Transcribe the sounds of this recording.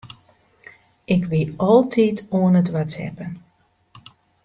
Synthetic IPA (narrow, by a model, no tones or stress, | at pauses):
ʔɪkʋiɔlˠtʰitʰoənətʋatsɛ̰pən